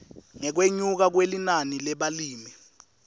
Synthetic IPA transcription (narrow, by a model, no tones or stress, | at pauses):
ŋɛk̬weɲuk̬ak̬welinanilɛɓaliːmi